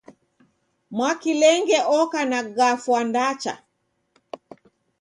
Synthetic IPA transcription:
mwakilɛŋɡɛʔɔkanaɡafwandat͡ʃa̰

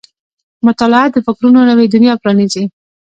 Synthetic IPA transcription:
mʊt̪ɑlɪat̪̚d̪əfɪkɾunonawed̪ʊnjɑpɾɑnize

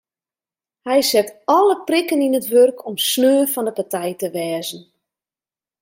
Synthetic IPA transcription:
hɛjsɛtɔləprikəninətʋørkʰɔmsnøːfɔndəpatɛjtəʋɛːzən̩

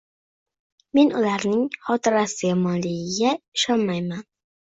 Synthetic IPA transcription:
me̞nʊlaɾnɪŋχɒt̪ʰɪɾasɪjɒmɒnlɪɡʲɪɡʲaɪʃɒnmajman

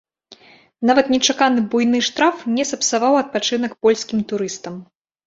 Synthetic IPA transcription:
navɐt̪nʲɛt͡ʂakanɨbujnɨʂt̪ɾafnʲɛsɐpsavawɐt̪̚pat͡ʂɨn̪ɐkpɔlʲsʲkʲimt̪uɾɨst̪ɐm

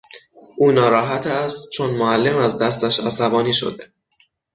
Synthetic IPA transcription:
ʔuːnɒːɾɒːɦæt̪ʰæst̪t͡ʃʰo̞nmoælːe̞mæzd̪æst̪æʃæsæbɒːniːʃo̰d̪e

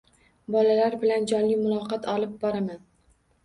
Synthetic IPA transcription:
bɒlalaɾbɪland͡ʒɒnlɪmʊlˠɒqɑt̪ʰɒlˠɪp̚bɒɾaman

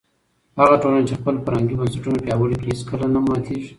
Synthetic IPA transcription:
haɣaʈolant͡ʃexpəlpəɾaŋɡibansɪʈunapjɑwəɽikiɦiskəlanamat̪ʰiʒi

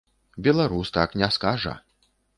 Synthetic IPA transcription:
bʲɛlˠaɾust̪aknʲɛskaʐɐ̰

